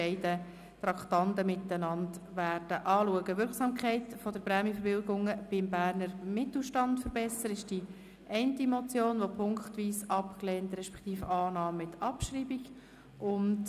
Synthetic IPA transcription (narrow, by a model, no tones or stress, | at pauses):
ɛɪdə | t̪ɾɑkt̪ɑntəmɪtːənɑndʋæːrd̥əʔɑːluəɡəʋʏɾksɑmkχɛɪtfɔd̥əɾpɾɛːmjəfəɾbɪlɡʊŋəb̥ɪmbæːrnəɾmɪt̪l̩ʃtɑntfəɾbɛsəɾɪʃd̥i | ʔɛɪntimɔt͡sjoːnʋopʰʊŋkχt̪ʋiːsɑpkleːntɾɛʃpɛ̥kt̪iːfəɑːnɑːmmɪtɑpʃɾiːbiɡ | ʔʊnt